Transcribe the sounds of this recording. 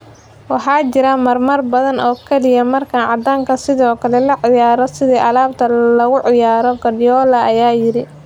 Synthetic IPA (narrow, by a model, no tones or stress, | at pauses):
wɑħɑːt͡ʃɪɾɐmɐrmɐrbɐðɐnɔːkʰɛlɪjɐmɐrkʰanʕɑ̰d̪aːŋkʰɐsɪðɔːkʰɐlɛlɐʕɪjaːɾɔsɪðiːʔɐlaːb̚t̪ʰɐlɐɣʊʕɪjaːɾɔɡɐdjɔːlɐɐjaːjɪɾɪ